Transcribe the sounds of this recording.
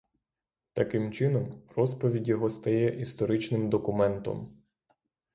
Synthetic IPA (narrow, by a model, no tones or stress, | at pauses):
t̪ɐkɪmt͡ʃɪnɔmrɔspɔʋʲidʲjɔɦɔst̪ɐjɛʔist̪ɔɾɪt͡ʃnɪmd̪ɔkʊmɛnt̪ɔ̰m